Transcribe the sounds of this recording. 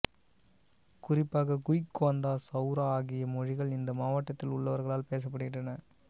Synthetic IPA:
kʊrɪpːaːɣɐɡʊjkːoːnd̪aːsɐʊɾaːaːɣɪjɐmɔɻɪɣɐɭɪnd̪ɐmaːʋɐʈːɐt̪ːɪlʊɭːɐʋɐɾɣɐɭaːlpeːs̬ɐp̬ːɐɽɯɣɪɳɖrɐnɐ

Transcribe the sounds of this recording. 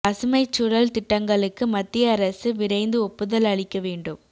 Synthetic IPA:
ɐsɯmɐɪt͡ʃːʊɽɐlt̪ɪʈːɐŋɡɐɭɯkːɯmɐt̪ːɪjɐːɾɐsɯʋɪɾɐɪnd̪ɯɔpːɯðɐlɐɭɪkːɐʋeːɳɖɯm

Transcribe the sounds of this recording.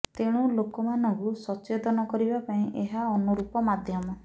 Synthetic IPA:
t̪eɽ̃ulokɔmanɔ̃ŋkusɔt͡ʃet̪ɔnɔkɔɾibapaĩʔeɦaɔnuɾupɔmad̪ʱjɔmɔ

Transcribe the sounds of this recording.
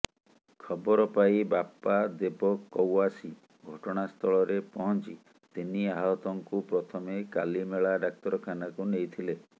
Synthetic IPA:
kʰɔbɔɾɔpaibapːad̪epɔkːɔwasi | ɡʱɔʈɔɽ̃ast̪ʰɔɭɔɾepɔɦɔnt͡ʃi | t̪iniaɦaɔt̪ɔŋkupɾɔt̪ʰɔmeka̰limeɭaɖak̚t̪ɔɾɔkʰanakunejt̪ʰile

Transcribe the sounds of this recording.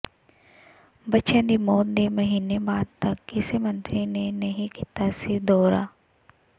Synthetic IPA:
bɐt͡ʃãd̪imoːnd̪emɐɦiːnebaːd̪̚t̪ɐkːɪsemə̃nt̪ɾinenɐɦĩkit̪asid̪ɔːɾa̰ː

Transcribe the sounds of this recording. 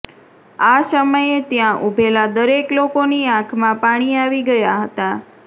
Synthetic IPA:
asəməjet̪jãʔubʱelad̪əɾeklokoniãkʰmãpaɽ̃iaʋiɡəjaɦət̪a

